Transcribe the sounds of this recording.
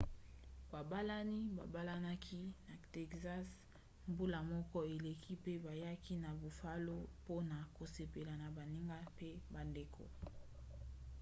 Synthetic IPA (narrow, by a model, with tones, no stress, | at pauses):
ba˨ba˦la˦ni˦ba̰˨ba˦la˦na˦kʰi˦na˨te˦˨kza˦s | mbu˦la˨mɔ˦kɔ˦e˨le˨kʰi˦pe˦ba˨ja˦ki˦na˨bo˨fa˦lo˦po˦na˨ko˨se˨pe˨la˨na˨ba˨ni˦ŋɡa˦pe˦ba˨nde˨kʰo̰˨